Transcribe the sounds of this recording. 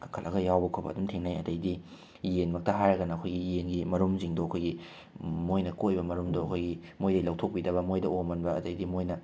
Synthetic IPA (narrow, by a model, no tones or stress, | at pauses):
kʰaŋkʰɐlʔɐɡɐjawbɐkʰobɐ̰ːdumtʰeŋnajɐ̰dɐjdi | jenmɐk̚tɐɦajɾɐɡɐnɐːkʰojɡijenɡimɐɾumziŋdoɐkʰojɡi | mojnɐkojbɐmɐɾumdoɐkʰojɡimojdɐjlɐwtʰok̚pidɐβɐmojdɐomɐnbɐɐ̰dɐjdimojnɐ